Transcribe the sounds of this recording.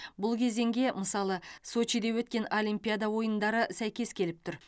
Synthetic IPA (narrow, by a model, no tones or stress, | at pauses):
bʊlˠkʲʰe̞ze̞ŋɡʲe̞məsɑlˠəso̞t͡ʃid̪e̞wɵt̪̚kʲe̞nolʲijmpʲijad̪ɑwo̞jənd̪ɑɾəsæjkʲe̞skʲʰe̞lɪp̚t̪ʰʊɾ